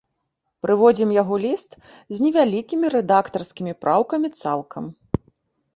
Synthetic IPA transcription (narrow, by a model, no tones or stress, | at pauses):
pɾɨvɔd͡zʲimjaɣɔlʲist̪ | zʲnʲɛvʲalʲikʲimʲiɾɛd̪akt̪ɐrskʲimʲipɾʔawkɐmʲit̪salˠkʰɐm